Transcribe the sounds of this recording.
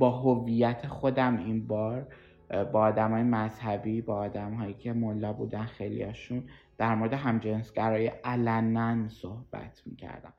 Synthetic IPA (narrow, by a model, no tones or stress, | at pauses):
bɒːɦovijæt̪ʰexod̪æminbɒːɾ | bɒːd̪æmɒːjemæzhæbiːbɒːd̪æmɦɒːjiːcʰe̞molːɒːbṵːd̪ænxelḭjɒ̰ːʃund̪̥æɾmo̞ɾed̪eɦæmd͡ʒensɡæɾɒːjeʔælænænsohb̥æ̰t̪ʰmḭːcʰæ̰ɾd̪æ̰m